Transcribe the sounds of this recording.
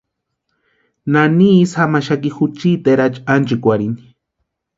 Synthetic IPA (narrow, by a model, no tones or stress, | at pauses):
nanisamaʃakixut͡ʃit̪eɾat͡ʃʼant͡ʃikʷaɾini̥